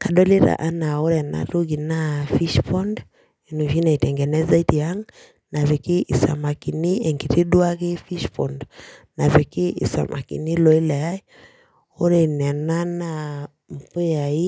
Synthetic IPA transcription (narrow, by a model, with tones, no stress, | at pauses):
ka˨dɔ˦le˦ɾa̰˨ʔa˦na˨o˦ɾɛ˨na̰˦tu˦ɡi˨na˦fi˦ʃpɔ˦nd | i˨nu˨fi˦na˨i˨tɛ˨ŋɡɛ˨nɛ˦za˦i˦ti˨a˦ŋ | na˨vi˨ki˦ʔi˨sa̰˨ma˨ki˨ni˦ɛ˨ŋki˨ti˦dwa˦ke˦fi˦ʃpɔ˨ndna˨vi˨ki˦ʔḭ˨sa̰˨mʔa̰˨kḭ˨ni˦lɔ˨i˦la˨a˦i˦ | o˦ɾɛ˨nɛ˨na˦na˦ | m̩˨pu˦ja˨i˦